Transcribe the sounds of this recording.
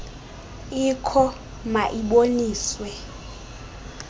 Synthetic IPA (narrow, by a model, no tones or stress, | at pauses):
ikʰɔ | maʔiɓoniːswɛ